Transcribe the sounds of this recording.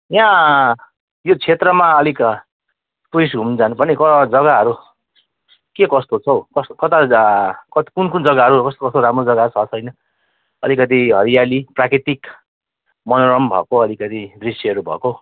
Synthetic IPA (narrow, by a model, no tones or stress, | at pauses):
jã | jot͡sʰet̪rʌmaʌlik | p̪uis̬ɡʱumd͡zanupʌrnikʌd͡zʌɡaɦʌɾu | kekʌst̪ot͡sʰʌwkʌskʌt̪akʌt̪i̥kunkund͡zʌɡaɦʌɾukʌst̪okʌst̪oɾamrod͡zʌɡat͡sʰʌt͡sʰʌjnʌ | ʌlikʌt̪̬iɦʌɾijaliprakɾit̪ik | mʌnoɾʌmbʱʌ̰koʌlikʌt̪id̪risiɦʌɾubʱʌ̰ko